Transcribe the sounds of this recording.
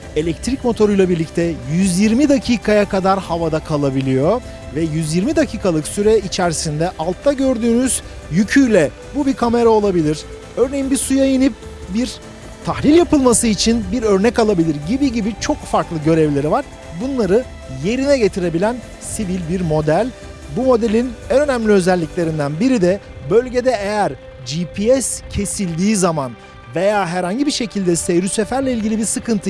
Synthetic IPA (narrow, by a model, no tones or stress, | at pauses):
e̞lʲɛc̚t̪ʰɾicmo̞t̪ʰo̞ɾujlˠabiɾlʲict̪ʰɛjyzjiɾmid̪acʰiːkʰajakad̪aɾhavad̪akʰalˠabilʲijo̞ | vɛjyzjiɾmid̪acʰiːkʰalˠɯksyɾɛit͡ʃʰæɾsind̪ɛʔalˠt̪ʰːaɟø̞ɾd̪yːnyz̥ | jycʰyjlʲɛ | bubikʰame̞ɾao̞lˠabilʲiɾ̥ | ø̞ɾne̞jimbisujajinip̚ | biɾ | t̪ʰahlʲilʲjapɯlˠmasɯit͡ʃʰinbiɾø̞ɾnɛcalˠabilʲiɾɟibiɟibit͡ʃʰo̞kfaɾklˠɯɟø̞ɾɛvlʲe̞ɾivaɾ̥ | bunlˠaɾɯ | je̞ɾinɛɟe̞t̪ʰiɾe̞bilʲæn | sivilʲbiɾmo̞d̪ælʲ | bumo̞d̪elʲinænø̞næmlʲiø̞zælʲːiclʲe̞ɾind̪ænbiɾid̪ɛ | bø̞lʲɟe̞d̪ɛejæɾ | d͡ʒipʰiɛscʰe̞silʲd̪iːzaman | ve̞jaːɦæɾhaɲɟibiʃe̞cʰilʲd̪ɛsejɾyse̞fæɾlʲeilʲɟilʲibiɾsɯkʰɯnt̪ʰɯ